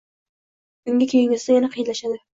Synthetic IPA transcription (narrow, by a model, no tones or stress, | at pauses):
ʊŋɡʲakʲʰeɡʲɪsd̪ajanaqʰɨjd̪laʃad̪ɪ